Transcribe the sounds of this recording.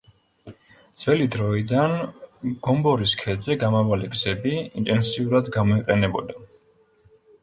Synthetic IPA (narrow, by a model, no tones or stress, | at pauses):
d̪z̥vɛlid̪ɾɔid̪anɡ̥ɔmbɔɾiskʰɛd̪zɛɡamavaliɡzɛbiḭnt̪ʼɛnsiuɾad̪ɡamɔiqʼɛnɛbɔd̪a